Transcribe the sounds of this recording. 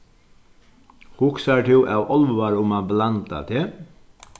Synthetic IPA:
hʊksaɹt̪ʰɪwʔa̰wʔɔlʋʋaɹʊmablant̪a̰t̪ʰeː

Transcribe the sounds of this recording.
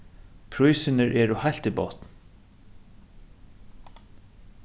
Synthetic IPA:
pʰɾujsɪnəɹʔɛːɹʊhajl̥t̪ibɔ̰t̪n

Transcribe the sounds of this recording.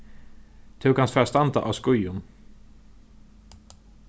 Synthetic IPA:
t̪ʰuːkhansfœːst̪ant̪ə̰ʔa̰vskɵjʊn

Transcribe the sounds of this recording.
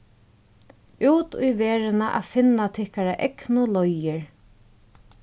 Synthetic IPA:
uːt̪ṵjʋɛːɾɪnaʔa̰fɪnːat̪ʰɪhkaɾaʔɛknʊlɔjɪɹ

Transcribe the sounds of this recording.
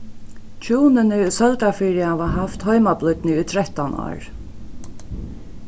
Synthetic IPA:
t͡ʃʰuːnɪnɪʊsœlt̪afiːɾɪaːʋaɦaft̪hɔjmaplʊt̪nɪʊt̪ʰɾɛht̪anɔ̰ːɹ

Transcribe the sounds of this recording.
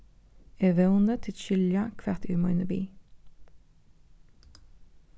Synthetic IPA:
ɛʋɛʊnət̪ʰɪʃʏljɑkʰʋæʁt̪ʉːmɑʏnəbḭː

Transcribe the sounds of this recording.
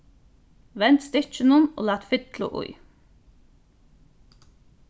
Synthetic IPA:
ʋɛnt̪st̪ʏc͡çənʊno̰ːlɑːt̪fʏt̪lʊ̰ʔʊ̰ʏ

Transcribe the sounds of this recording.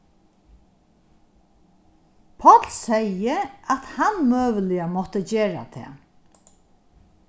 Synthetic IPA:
pʰɔt̪lsɛjəat̪hanmøːʋəlɪamɔht̪əd͡ʑeːɹa̰t̪ʰɛ̰ː

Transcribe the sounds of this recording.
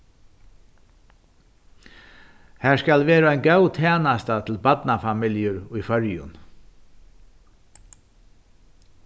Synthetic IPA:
hæːskɑlʋeːɾaæɪnɡɑwt̪ʰæːnɑst̪ɑt̪ʰl̩bɑd̪nɑfɑmɪljəɾiːfœɹjʊ̰n

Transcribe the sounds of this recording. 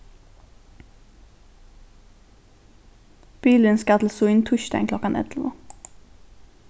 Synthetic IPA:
b̥iːlənskɑt̪l̩suɪnt̪ʰʉʃt̪æ̰ɪŋkʰlɔkɑnʔɛ̰t̪ʰl̩ʋə̰

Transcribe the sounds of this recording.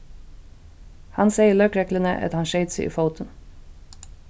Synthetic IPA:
hɑnseɪəlœːkɹɛklənə̰ʔɑ̰t̪hɑnʃeɪt̪səʔḭːfoʊt̪ʰən

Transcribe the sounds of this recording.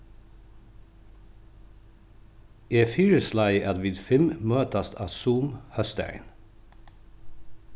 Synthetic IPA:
eːfiːɹəslɑɪʔɑd̪ʋɪd̪fɪmmøːt̪ɑst̪ʰɑ̰ːsuːmhœst̪æ̰ɪn

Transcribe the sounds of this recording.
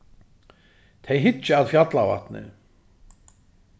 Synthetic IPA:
t̪ʰejɦɪt͡ʃːɪaðfjat̪lava̰ht̪nɪ̰

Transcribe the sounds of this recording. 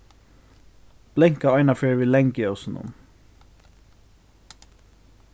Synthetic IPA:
b̥lɛŋkɑɑʏnɑføːɹʋiːlɛŋɡiɔsnʊ̰m

